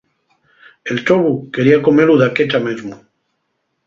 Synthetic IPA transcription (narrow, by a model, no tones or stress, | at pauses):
e̞lt̪oβuke̞ɾiako̞meɾuðaket̪amezmu